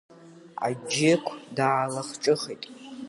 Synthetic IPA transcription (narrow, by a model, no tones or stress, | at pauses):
a̰d͡ʒɪkʷʰdaːlaχt͡ʃʼɨχijtʼ